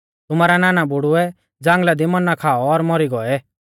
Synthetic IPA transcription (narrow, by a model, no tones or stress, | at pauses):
t̪ʊmaːɾanaːnabʊɽʊɛ | d͡zãːŋɡlad̪imɐnːakʰaːɔːɾmɔɾiɡɔɛ